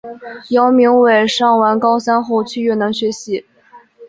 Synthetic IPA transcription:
jɑ˧˥ʊmi˧˥ŋwe˨˩ɪʂɑ˥˩ŋwa˧˥nkɑ˥ʊsa˥nxo˥˧ʊt͡ɕʰy˥˧ɥɛ˥˩nɑ˧˥ŋɕɥɛ˧˥ɕi˧˥

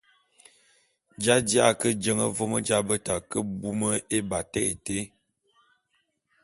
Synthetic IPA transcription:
d͡ʒa˦dja˦˨kə˦d͡ʒə˦ŋə˦vo˦mə˦d͡ʒa˦bə˦ta˨kə˦bu˦mə˦e˦ba˨tɛ˦˨ḛ˨te˦

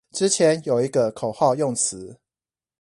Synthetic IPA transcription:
ʈ͡ʂɻ̩˦t͡ɕʰjɛ˨˦njo˨˩ʊi˧˥ɡə˧kʰo˨˩ʊxɑ˥˧ʊjʊ˥˩ŋt͡sʰɹ̩˨˦

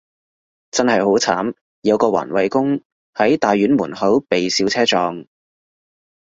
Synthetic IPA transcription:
t͡sɐ˥nhɐ˨jɦo˨˥wt͡sʰaː˨˥m | jɐ˨˧wkɔː˧wa̰ː˨˩nwɐ˨jkʊ˥ŋ | hɐ˨˥jt̪aː˨jɥyː˨˥nmuː˨˩nhɐ˨˥wpe˨jsiː˨˧wt͡sʰɛː˥t͡ʃɔː˧ŋ

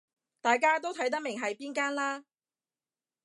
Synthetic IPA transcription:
t̪aː˨jkaː˥t̪̬o˥wt̪ʰɐ˨˥jt̪ɐ˥k̚mɪ˨˩ŋɦɐ˨jpiː˥nkaː˥nlaː˥

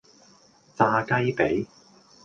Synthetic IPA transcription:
t͡saː˧kɐ˥jpe˨˥j

